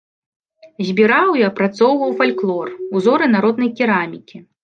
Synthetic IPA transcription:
zʲbʲiɾawiɐpɾat̪sɔwvɐwfalʲklˠɔruzɔɾɨnaɾɔd̪nɐjkʲiɾamʲikʲi

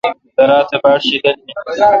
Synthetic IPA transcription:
dɐɾaːt̪ɐbaːɽʃidɐnːe

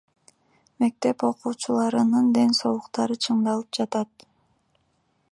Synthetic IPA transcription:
me̞k̚t̪e̞po̞quːt͡ʃulˠɑɾɯnɯnd̪e̞nso̞lˠuqt̪ɑɾɯt͡ʃʰɯɴd̪ɑlˠɯp̚d͡ʒɑt̪ɑt̪

